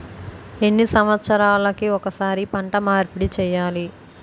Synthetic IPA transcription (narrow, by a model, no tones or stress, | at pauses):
enːisɐmʋɐt̪sɐɾaːlɐkiɔkɐsaːɾipɐɳʈɐmaːɾpiɽit͡ʃɛːjaːli